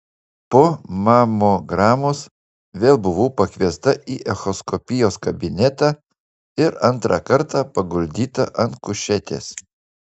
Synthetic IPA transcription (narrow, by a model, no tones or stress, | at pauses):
poːmɑːmoːɡɾɑːmos | ʋʲeːlˠbʊʋoːpɐkʲʋʲiɛst̪ɐʔiːʔɛxɔskɔpʲɪjoːskɐbʲɪnʲɛt̪ɑː | ɪɾɐnˑt̪ɾɑkɐɾt̪ɑpɐɡʊlʲd̪ʲiːt̪ɐʔɐnt̪kʊʃʲɛt̪ʲḛːs